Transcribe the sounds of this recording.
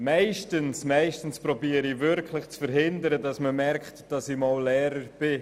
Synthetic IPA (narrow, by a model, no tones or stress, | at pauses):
maɪʃtənsmaɪʃtən̩spɾɔbiːəɾivʏɾkʰlɪχt͡sfəɾɦɪndəɾədɑsməmɛɾkχtd̥ɑsimɑllɛːɾəɾb̥ɪ